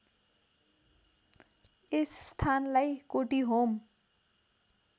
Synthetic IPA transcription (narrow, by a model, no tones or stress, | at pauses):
esst̪ʰanlajkoʈiɦom